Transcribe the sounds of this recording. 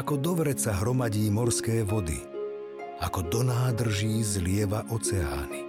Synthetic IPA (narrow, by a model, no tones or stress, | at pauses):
akɔd̪ɔʋɾɛt͡saɦɾɔmaɟiːmɔɾskɛːʋɔd̪ḭ | akɔd̪ɔnaːd̪r̩ʒiːzlɪɛʋaʔɔt͡sɛa̰ːni